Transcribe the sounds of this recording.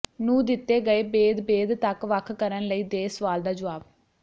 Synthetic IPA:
nũːd̪ɪt̪ːeːɡəeːbeːd̪beːd̪t̪əkʋəkʰkəɾənləiːd̪eːsəʋaːld̪aːd͡ʒʊʋaːb

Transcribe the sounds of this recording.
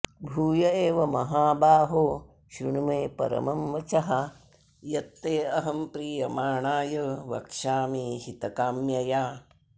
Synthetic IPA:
bʱuːjɐeːʋɐmɐɦaːbaːɦoː | ʃɾuɳumeːpɐ̰ɾɐ̰mɐmʋɐt͡ʃɐɦɐ | jɐt̪ːeːɐɦɐmpɾiːjɐmaːɳaːjɐʋɐ̰kʃaːmiːhit̪ɐkaːmjɐjaː

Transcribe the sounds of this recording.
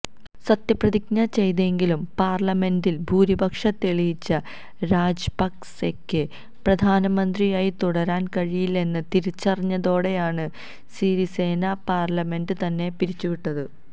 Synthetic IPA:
sɐt̪jɐprɐðiknɐt͡ɕe̞jðe̞ŋɡilumpaːrlɐme̞ndilbʱuːɾibɐkʂɐt̪ːeɭijit͡ɕːɐ | ɾaːd͡ʑbɐksekːɨ | prɐd̪ʱaːnɐmɐnd̪rijaːjit̪uɽɐɾaːnkɐɻijile̞nːɨt̪iɾit͡ɕːɐrɐɲːɐðo̞ːɽe̞jaːɳɨ | siːɾise̞ːnapaːrlɐme̞ndɨt̪ɐnːe̞piɾit͡ɕːuʋiʈːɐðɨ

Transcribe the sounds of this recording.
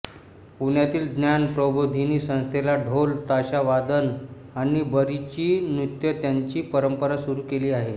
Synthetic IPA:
uɳjat̪iːld̪njanpɾəbod̪ʱiniːsə̃ñst̪ʰelaɖʱolt̪aɕaʋad̪ən | aɽ̃ibəɾit͡ɕiːnɾut̪jət̪jaɲt͡ɕiːpəɾəmpəɾasuɾuːkeliːaɦe

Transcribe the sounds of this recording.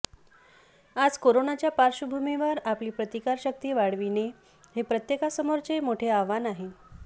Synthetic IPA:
ad͡zkoɾonat͡ɕjapaɾɕubʱumiʋəɾapliːpɾət̪ikaɾɕək̚t̪iːʋaɽ̤ʋine | hepɾət̪jekasəmoɾt͡semoʈʰeaʋanaɦe

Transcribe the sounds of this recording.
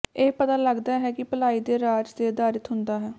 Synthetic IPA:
eːpət̪aːləɡd̪aːɦɛːkɪpəlaːiːd̪eːɾaːd͡ʒd̪eːd̪aːɾɪt̪ɦʊnd̪aːɦɛː

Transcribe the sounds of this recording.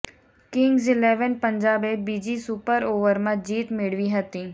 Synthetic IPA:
kɪ̃ŋɡzɪlɛːʋənpə̃ɲd͡ʒaːbebiːd͡ʒisupəɾoːʋəɾmãd͡ʒiːt̪mɪɽ̤ʋiɦɐt̪ĩː

